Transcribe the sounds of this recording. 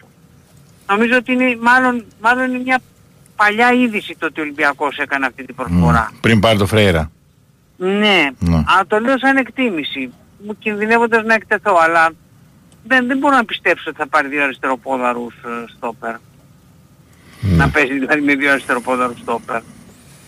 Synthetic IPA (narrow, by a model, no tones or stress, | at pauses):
no̞mizo̞ot̪iinemɐlo̞nmɐlo̞ninemɲɐ | pɐʎɐiðisit̪ot̪io̞limbiɐko̞se̞kɐneɐft̪it̪ibɾosfo̞ɾɐ̰pɾimpɐɾit̪ofɾejɾɐ̰ | ne̞nɐlɐt̪o̞leosɐinekt̪imisi | mucinðine̞vo̞nd̪ɐznɐekt̪e̞θo̞ɐlɐ | ðenðemboɾonɐpist̪e̞pso̞t̪i̥θɐpɐɾiðjioɐɾist̪e̞ɾo̞po̞ðɐɾusst̪o̞pe̞ɾ | nɐpe̞siðilɐðimeðjoɐɾist̪e̞ɾo̞po̞ðɐɾust̪o̞pe̞ɾ